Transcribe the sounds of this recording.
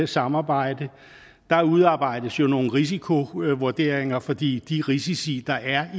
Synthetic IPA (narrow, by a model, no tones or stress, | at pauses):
esɑ̈mɑ̈ːb̥ɑ̈ɪ̰d̥ə | d̥ɑ̈uðˠɑ̈ːb̥ɑ̈ɪ̰d̥əsjo̝no̝ːn̩ʁis̬ikʰo̝ʋuɐd̥e̝ːɐ̰eŋɐfɒ̽d̥ḭːd̥iʁisisḭːd̥ɑ̈ʔæɐ